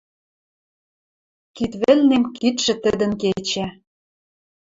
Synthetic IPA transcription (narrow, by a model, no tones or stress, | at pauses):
kit̪βɘ̆lnemkit̪ʃɘ̆t̪ɘ̆d̪ə̆nket͡ɕæ